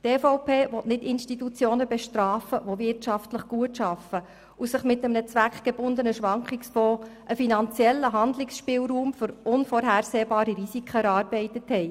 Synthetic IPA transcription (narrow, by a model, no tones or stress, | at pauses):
teːfoʊpʰeːʋɔtnɪdɪnʃtitut͡sjoːnəbɛʃtɾɑːfəʋoʋɪrtʃɑftləχɡ̥uətʃɑfə | usəχmɪtːəmənət͡sʋækχɡ̥eb̥ʊnd̪ənəʃʋɑŋkχɪksfɔːʔəfinɑnt͡sjɛlːəɦɑnd̪lɪksʃpɪːlɾuːmfʏɾʔʊnfɔɾɦæːɾseːbɑːɾiɾisikχəɛɾɑːɾbɛɪtəthɛj